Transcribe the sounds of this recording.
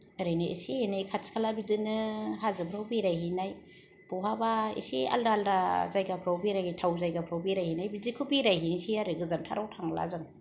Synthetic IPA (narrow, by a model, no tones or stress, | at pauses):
ɯɾɯnɯjḛsihenajkʰatskʰalabidɯnɯɦazɯpʰɾawbiɾajɦinaj | b̥uɦabaḭsia̰ldaːldazajɡapʰɾawbiɾajajtʰawzajɡapʰɾawbiɾajhinajbizikʰubiɾajɦinsiaɾɯɡɯzamtʰa̰ɾawtʰaŋla̰zɯŋ